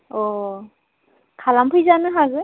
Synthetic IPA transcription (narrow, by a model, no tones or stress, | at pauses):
ɔ | kʰalampʰujzanɯɦazɯ